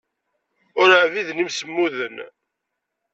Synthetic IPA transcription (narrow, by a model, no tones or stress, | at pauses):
ʊɾaʕviðnimsəmːuðən